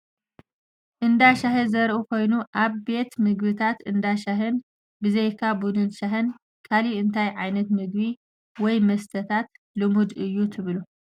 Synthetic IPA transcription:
ʔɨnd̪aʃaɦɨzɐɾʔukʰo̞jnuʔaβbe̞t̪mɨɡβɨt̪ʰat̪ɨnd̪aʃaɦɨn | bɨzejkʰabud̪ɨnʃaɦɨn | kʰaliɨnt̪ʰajʕajnɐt̪mɨɡβi | wɔjmɐst̪ʰət̪ʰat̪ | lɨmud̪ʔɨjːut̪ʰɨβɨlu

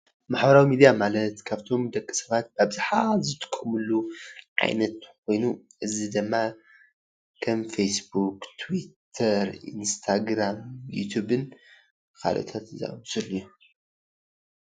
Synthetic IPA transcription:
maħbɐɾawimid̪ijamalɐt̪kʰaβt̪ʰo̞md̪ɐkʼːɨ̥sɐβat̪̚babɨzaħazɨt̪ʰɨ̥kʰʼmɨlːuʕa̰jnɐt̪kʰo̞jnuʔɨzid̪ɨmːa | kʰɐmfejsbukt̪ʰwit̪ʰɐɾḭnst̪ʰaɡɾamjṵt̪ʰubɨn | kʰa̰lʔɐ̰t̪ʰat̪za̰sʼɨlːju

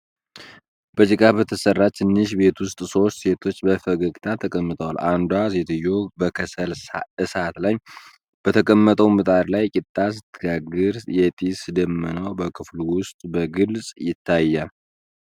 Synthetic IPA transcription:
b̥əd͡ʒɨkʼabət̪ʰəsərːat͡ʃt̪ʰɨnːɨʃbe̞t̪wʊst̪ʼso̞st̪se̞t̪ʰo̞t͡ʃːbəfəɡəɡt̪ʰat̪ʰəkʼəmːɨt̪ʼəwalʔand̪wasɛt̪ʰɨjːobəkʰəsəlɨsat̪laj | b̥ət̪ʰəkʼəmːət̪ʼəwmɨt̪ʼaɾlajkʼɪt̪ʼːas̬ɨt̪ʰːɨɡaɡɨɾjɛt̪ʼisɨd̪əmːɨnəwbəkʰɨfluwʊst̪ʼbəɡɨlsʼjɪt̪ʰːajːa

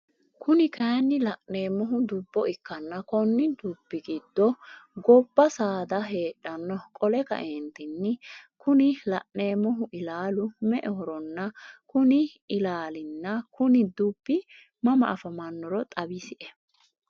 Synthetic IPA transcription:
kʊnɪkɐːnːɪlɐʔne̞ːmːɔɦʊd̪ʊbːɔʔɪkːɐnːɐkɔnːɪd̪uːbːɪɡiːd̪̥ːɔɡɔbːɐsaːd̪ɐɦe̞ːɗːɐnːɔkʼɔlɛkɐ̰ʔeːnt̪ɪnːɪkʊnɪlɐʔne̞ːmɔɦʊʔɪlaːlʊmɛʔɛhɔɾɔnːɐkʊnɪɪlaːlɪnːɐkʊnɪd̪ubːɪ | mɐmɐ̰ʔɐfɐmɐnːɔɾɔt̪ʼɐbɪsɪʔɛ

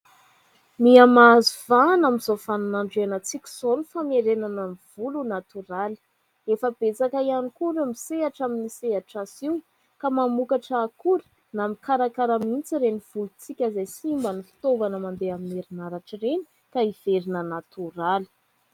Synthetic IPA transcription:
miamazuvanamizofanunaɳɖ͡ʐeanat͡sikʲi̥z̥onufameɾenanəniv̥ulunat̪uɾali̥ | efəb̥et͡sakaianikuɾumiseaʈ͡ʂaminiseɦaʈ͡ʂasiw | kamamukaʈ͡ʂaːkuɾi̥ | namikaɾakaɾəmint͡siɾeniv̥ulut͡sikʲəzajsimbənifi̥t̪ovanəmand̪eamineɾinaɾaʈ͡ʂireni̥ | kaiv̥eɾinənat̪uɾali̥

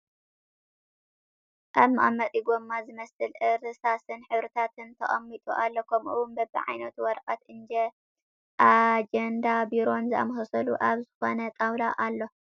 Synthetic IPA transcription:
ʔaβmʔa̰mɐt̪ʼiɡomːazɨmɐsɨlʔɨɾɨsasɨnħɨβɾɨt̪ʰat̪ʰɨnt̪ʰɐχʼɐmːit̪ʼṵʔalːokʰɐmʔuwunbɐbɨ̰ʕa̰jnɐt̪wɔɾqʼɐt̪ʔɨnd͡ʒe | ʔad͡ʒend̪abiɾo̞nzɨʔa̰mɐhɐsɐluʔaβzɨxo̞nɐt̪ʼawd̪aʔalːo̞

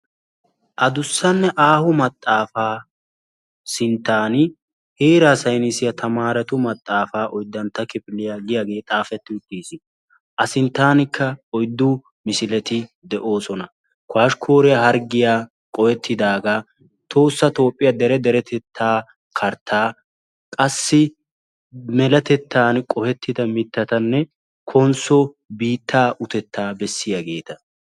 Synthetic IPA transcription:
ʔɐd̪ʊsːɐnːɛʔaːhʊmɐt̪ʼːaːfaː | sɪnt̪ːaːnɪ | heːɾasɐjnɪsɪjɐt̪ʰɐmaːɾɛt̪ʊmɐt̪ʼːaːfaːʔɔjd̪ːɐnt̪ːɐkɪpɪlɪjaːɡɪjaːɡe̞ːt̪ʼaːfɛt̪ːɪʊt̪ːiːsɪ | ʔɐsɪnt̪ːaːnɪkʰːɐɔjd̪ːʊ | mɪsɪlɛt̪ɪ | d̪ɛʔo̞ːsɔnɐ | kwaːʃkʰo̞ːɾɪjahɐɾɡɪjaː | kʼɔhɛt̪ʰːɪd̪aːɡa | t̪ʰo̞ːsːɐt̪o̞ːpʼːɪjɐd̪ɛɾɛd̪ɛɾɛt̪ʰɛt̪ʰːaː | kʰɐɾt̪ʰːaː | kʼɐsːɪ | mɛlɐt̪ɛt̪ʰːaːnkʼɔhɛt̪ːɪd̪ɐmɪt̪ːɐt̪ɐnːɛ | kʰɔnsɔ | biːt̪ʰːaːʔʊt̪ɛt̪ʰːaːbɛsːɪjaɡe̞ːt̪ɐ

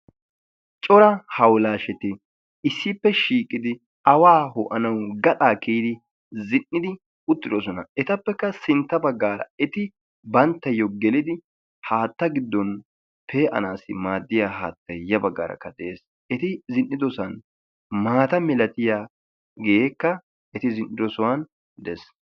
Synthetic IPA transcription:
t͡ʃʼɔɾɐhɐwlaːʃɛt̪ɪ | ɪsːɪpːɛʃiːkʼːɪd̪ɪ | ɐwaːhʊʔɐnɐwɡɐt̪ʼaːkeːd̪ɪ | zɪnːɪd̪ɪ | ʊt̪ːɪd̪ɔs̬ɔnɐɛt̪ɐpːɛkːɐsɪnt̪ːɐbɐɡːaːɾɐ̰ɛt̪ɪ | bɐnt̪ːɐjːɔɡɛlɪd̪ɪ | haːt̪ːɐɡɪd̪ːɔn | pʰe̞ːʔɐ̰naːsɪ̰maːd̪ːɪjaːɦaːt̪ːɐjɐbɐɡːa̰ːɾɐ̰kːɐd̪ɛeːs | ɛt̪ɪzɪnːɪd̪ɔsɐn | maːt̪ɐmɛlɐt̪ɪjaː | ɡjeːkːɐ | ɛt̪ɪzɪnːɪd̪ɔsɔwan | d̪ɛs

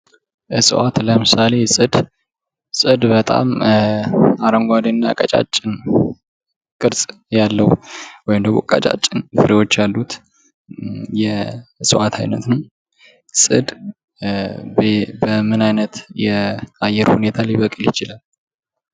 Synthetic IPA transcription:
ʔɨsʼɨ̰wʔat̪ləmɨsale̞sʼɨd̪ | sʼɨd̪bət̪ʼa̰m | aɾəŋɡʷad̪inːakʼət͡ʃʼa̰t͡ʃʼːɪn | kʼɨɾsʼ | jalːəhwɔjɪmd̪əɡmo̞̰kʼə̰t͡ʃʼa̰t͡ʃʼːɪnfɨɾewo̞t͡ʃːjalːut̪ | jɛɨsʼɨwʔat̪ʰajnə̰t̪nəw | sʼɨd̪ | bbəmɨnajnət̪jɛajɛɾhune̞t̪ʰaliβəkʼjɪt͡ʃɪlal

